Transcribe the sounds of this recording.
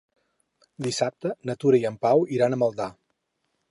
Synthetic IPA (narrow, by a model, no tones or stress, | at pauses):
d̪isap̚t̪ənət̪uɾəiəmpawiɾanəməlˠd̪a